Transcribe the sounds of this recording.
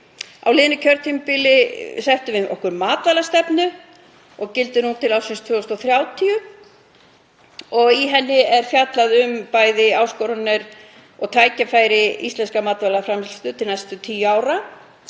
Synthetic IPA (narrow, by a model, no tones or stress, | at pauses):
a̰wlɪːðnʏcʰœɾt̪ʰimpilɪsɛht̪ʏvɪɔ̰hkʏɾmaːt̪valast̪ɛpnʏ | ɔɣcɪlt̪ʏnuːnt̪ʰɪlawsɪnst̪ʰvʏːɔst̪ɔθɾjaːwt̪ʰiʏ | ɔɣiɦɛnːɪɛɾ̥fjat̪laðʏmpaːjðɪaːwskɔwɾanɪɾ | ɔɣt̪ʰaːjcafaːjɾɪḭst̪lɛnskamaːt̪valafɾamhɪlsft̪ʏt̪ʰɪlnajst̪ʏt̪ʰiːjaːwɾa